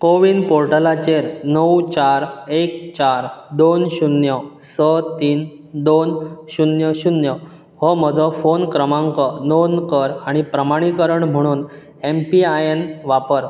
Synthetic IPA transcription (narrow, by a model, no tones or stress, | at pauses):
koʋiːnpoɾʈəlat͡ɕeɾnəwt͡ɕaɾek̚t͡ɕaɾd̪onɕunjə | sət̪iːn | d̪onɕunjəɕunjə | hɔm̤əd͡zʱəfonkɾəmãŋkənonkəɾaɽ̃ipɾəmaɽ̃ikəɾəɳm̤əɽ̃uːn | empiajenʋapəɾ